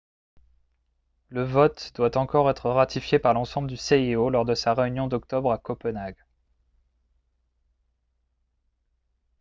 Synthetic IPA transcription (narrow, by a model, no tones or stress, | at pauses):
ləvɔt̪d̪wat̪ɑ̃kɔʁɛt̪χəʁat̪ʰifjepaʁlɑ̃sɑ̃bləd̪yseiolɔʁd̪əsaʁeynjɔ̃d̪ɔk̚t̪ɔbʁakɔpənaɡ